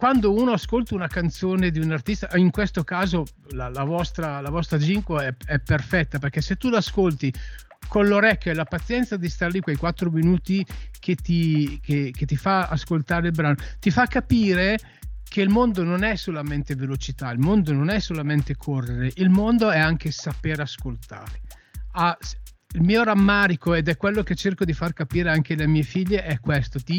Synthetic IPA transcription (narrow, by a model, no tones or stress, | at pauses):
kwand̪ouːnoaskolt̪aunakant̪soːned̪iunart̪ist̪aʔiŋkwest̪okaːzo | lalavɔst̪ɾalavɔst̪ɾad͡ʒiŋkoɛɛpːerfɛt̪ːaperkɛset̪ːulaaskolt̪i | konloɾɛkʲːjoɛlapat̪sːjɛnt̪sad̪ist̪aɾlikwejkwat̪ːɾominuːt̪ik̟ʰet̪ikek̟et̪ːifaaskolt̪aːɾeilbɾaːnot̪ifakːapiːɾe | kʰeilmond̪ononɛsːolament̪evelot͡ʃit̪ailmond̪ononɛsolament̪ekʰorːeɾeʔilmond̪oɛaŋkesapeɾaskolt̪a̰ːɾe | as | ilmiːoɾamːaːɾikoed̪ɛkːwelːoket͡ʃːerkod̪ifarkapiːɾeaŋkelemiːefiʎːeʔɛkːwest̪ot̪i